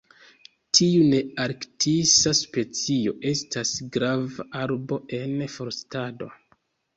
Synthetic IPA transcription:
tʰiune̞aɾktʰisaspe̞t͡sio̞̰ʔe̞stʰasɡɾavaʔaɾbo̞ʔe̞nfo̞ɾstado̞̰

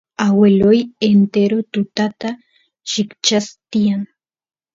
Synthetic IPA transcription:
awelojent̪eɾot̪ʊt̪at̪a | ʃɪkt͡ʃast̪ijaŋ

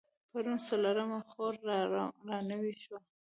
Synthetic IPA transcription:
paɾunsalaɾamaxoɾɾɑnəwiʃwa

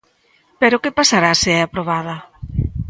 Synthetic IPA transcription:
peɾokepasaɾaseɛapɾoβ̞aðɐ

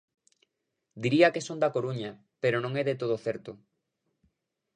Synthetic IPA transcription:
d̪iɾiakesond̪akoɾuɲa | peɾonõŋeðet̪oð̞oθeɛɾt̪o

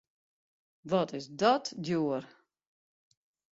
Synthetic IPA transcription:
vɔtɪsdɔtdjuəɾ

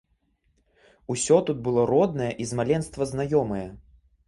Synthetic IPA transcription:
usʲɔt̪ud̪̚bɨlˠɔɾɔd̪̚nɐjɛʔizmalʲɛnst̪vɐznajɔmɐjɛ

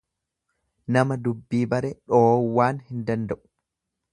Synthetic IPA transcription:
nɐmɐd̪ʊbːiːbɐɾɛᶑoːwːaːnhɪnd̪ɐnd̪ɐʔʊ̥

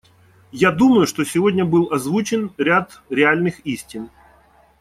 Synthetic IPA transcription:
jad̪uməjʊʂt̪o̞sʲɪvo̞dʲnʲəbɨlˠɐzvut͡ɕɪnɾʲat̪ɾʲɪalʲnɨxisʲtʲɪn

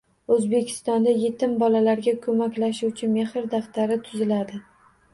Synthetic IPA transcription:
ɵzbe̞kʲʰɪ̥st̪ɒnd̪aje̞t̪ʰɪmbɒlalaɾɡʲakʰɵmakʲlaʃʊwt͡ʃʰɪmehɪɾd̪aft̪aɾɪt̪ʰʊzɪlad̪ɪ

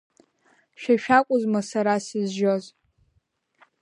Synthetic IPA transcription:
ʃᶣaʃᶣakʷʼʊzmasaɾasizʒoz

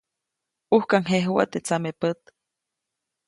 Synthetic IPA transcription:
uhkaŋɦeɦuwa̰t̪et͡samepət̪

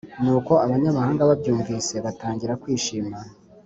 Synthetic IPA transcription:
nuːko̞aβaɲamahaːŋɡaβabɟuːɱviːse̞βataːɲɟiɾakwiːʃiːma

